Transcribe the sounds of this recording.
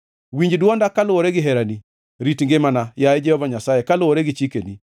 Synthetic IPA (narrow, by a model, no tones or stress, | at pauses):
wiɲd͡ʒdwɔndakalʊoɾeɡɪɦɛɾani | ɾitŋɡɪmanajaed͡ʒɛhɔvaɲasajɛkalʊoɾeɡɪt͡ʃikeni